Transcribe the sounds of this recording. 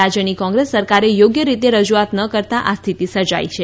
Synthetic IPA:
ad͡ʒjənikɔ̃ŋɡɾesːəɾkaɾejoɡjəɾit̪eɾəd͡ʒuat̪nəkəɾt̪aʔast̪ʰit̪isəɾd͡ʒa̰it͡ʃʰe

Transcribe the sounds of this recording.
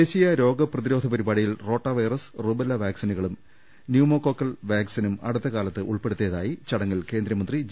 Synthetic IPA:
eːɕijɐɾo̞ːɡɐprɐðiɾo̞ːd̪ʱɐpɐɾibaːɽijilro̞ːʈːɐʋɐjrɐsrubɐlːɐʋaːksinuɣɐɭum | njumoːkːo̞ːkːɐlʋaːksinumɐ̰ɽut̪ːɐkaːlɐt̪ːɨʔuɭpeɽut̪ːijɐðaːjit͡ɕɐɽɐŋːɐlke̞ːnd̪ɾɐmɐnd̪rid͡ʑ

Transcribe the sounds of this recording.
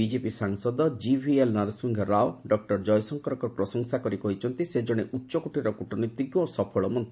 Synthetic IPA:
bid͡ʒepisaŋsɔd̪ɔd͡ʒibʱielnaɾsiŋɡʱɔɾaoɖɔk̚ʈɔɾd͡ʒɔjsɔŋkɔɾɔkɔɾɔpɾɔsɔŋsakɔɾikɔɦit͡ʃʰɔnt̪ised͡ʒɔɽ̃eʔutːʃɔkuʈiɾɔkuʈɔnɔjt̪ːiɡjoːsɔpʰɔɭɔmɔnt̪i

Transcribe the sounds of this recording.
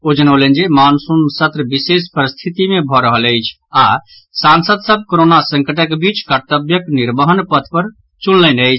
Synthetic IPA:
od͡ʒənələnd͡ʒemansunsət̪ɾəbisespəɾist̪ʰit̪imẽbʱɔɾəɦələjt͡ʃʰ | a | sansəd̪səb̚ʱkoɾonasə̃ŋkəʈəkbit͡ʃkəɾt̪əbjəkniɾbəɦənpət̪ʰpəɾ | t͡ʃulːənəjt͡ʃʰ

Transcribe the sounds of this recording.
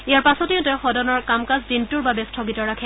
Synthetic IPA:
ijaɹpasɔtiʊtɛxɔdɔnɔɹkamkazzintuɹbabɛstʰɔɡitɔɹakʰɛ

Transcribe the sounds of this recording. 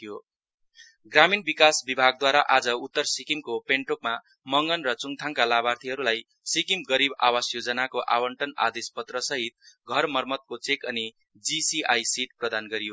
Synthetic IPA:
jo | ɡraminbikasbibʱaɡ̚d̪waɾaʔad͡zʌut̪ːʌrsikimkopeɳʈokma | mʌŋɡʌnrʌt͡suŋt̪ʰaŋkalabart̪ʰiɦʌɾulaj | sikimɡʌɾiba̰wasjod͡zʌnakoʔa̰wʌɳʈʌna̰d̪espʌt̪rʌsʌɦit̪̚ɡʱʌrmʌrmʌt̪̚kot͡sekʌni | d͡zisiʔajsiʈ̚prʌd̪anɡʌɾijo

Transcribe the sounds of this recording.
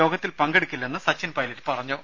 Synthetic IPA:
o̞ːɡɐt̪ːilpɐŋɡeɽukʲːilːɐenːɨsɐt͡ɕːɐnpɐjlɐtːɨ̥pɐrɐɲːoː

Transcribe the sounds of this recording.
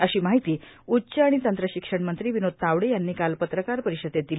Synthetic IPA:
əɕiːmaɦit̪iː | utːɕəaɽ̃it̪ənt̪ɾəɕikʂəɳmənt̪ɾiːʋinod̪̚t̪aʋɽejanːiːkalpət̪ɾəkaɾpəɾiɕəd̪et̪̚d̪ili

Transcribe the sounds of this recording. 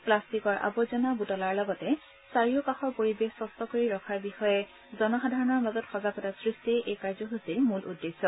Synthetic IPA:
plastikɔɹʔa̰bɔzɔnabutɔlaɹlɔɡɔtɛ | saɹijɔkaxɔɹpoɹibexsɔstɔkoɹiɹɔkʰaɹbixɔjɛ | zɔnɔxadʱaɹɔnɔɹmazɔtxɔzaɡɔtasɹistiɛʔejkaɹzɔɦusilmulʔṵdːesːɔ

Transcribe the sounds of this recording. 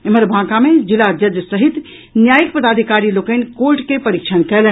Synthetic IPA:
eməɾbʱãkamed͡ʒilad͡ʒəd͡ʒsəɦit̪ | njajik̚pəd̪ad̪ʱikaɾilokənkolʈkepəɾikt͡ʃʰənkɛlɛn

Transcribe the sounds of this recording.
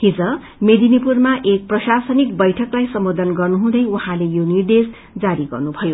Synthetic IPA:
hid͡zʌ | med̪inipurmaʔek̚prʌsasʌnik̚bʌjʈʰʌklajsʌmbod̪ʌnɡʌrnuɦũd̪ʌjuɦãlejonird̪es | d͡zaɾiɡʌ̰rnubʱʌjo

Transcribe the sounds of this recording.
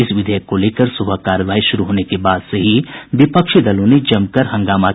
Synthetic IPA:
ɪsʋɪd̪ʱɛjəkːoleːkəɾsʊbʱəkaːɾəʋaːiʃʊɾuɦoːnekebaːd̪seɦiʋɪpəkʃid̪ɐlõned͡ʒɐmkəɾɦɐ̃ŋɡaːma

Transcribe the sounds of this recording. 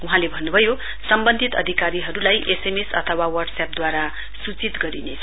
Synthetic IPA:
uɦãlebʱʌnːubʱʌjo | sʌmbʌnd̪ʱit̪ʌ̰d̪ʱikaɾiɦʌɾulajʔesemesʌ̰t̪ʰʌwawʌrɖsap̚d̪waɾa | sut͡sit̪ɡʌɾinet͡sʰ

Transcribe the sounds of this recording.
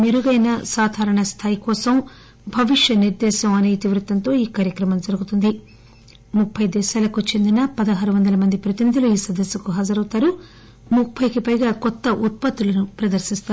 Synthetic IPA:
meɾuɡɐjnɐsaːd̪ʱaːɾɐɳɐst̪ʰaːjikɔːsɐm | bʱɐʋiʂjɐniɾd̪ɛːʃɐmɐneːjt̪iʋɾut̪ɐnt̪o̞ːiːkaːɾjɐkɾɐmɐmd͡ʒɐɾuɡut̪und̪i | mupʰːɐjd̪ɛːʃaːlɐkut͡ʃe̞nd̪inɐpɐd̪ɐɦaːɾuʋɐnd̪ɐlɐmɐnd̪ipɾɐt̪inid̪ʱiluiːsɐd̪ɐsːɐkuɦɐːd͡ʒɐɾɐwt̪aːɾu | mupʰːɐjkipɐjɡaːkɔt̪ːɐʔut̪̚pɐt̪ːulɐnupɾɐd̪ɐɾsist̪a

